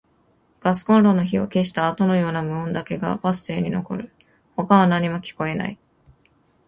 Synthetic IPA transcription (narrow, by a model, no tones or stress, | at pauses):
ɡ̥asɨ̥kõ̞nɾo̞no̞çiβa̰ke̞ɕ̬i̥t̪aːt̪o̞no̞jo̞ːnamɯ̟õnd̪ake̞ɡa̰basɨ̥t̪e̞ːɲ̟ino̞̰ko̞̰ɾɯ̟ | ho̞kaβanaɲ̟imo̞kʲi̥ko̞e̞na̰i